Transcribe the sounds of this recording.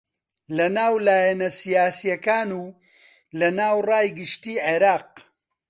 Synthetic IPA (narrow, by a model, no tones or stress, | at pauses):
lɐnaːwlaːjɐnɐsijaːsijɐkaːnuː | lɐnaːwrɑːjɡɨʃt̪iːʕeɾɑːq̚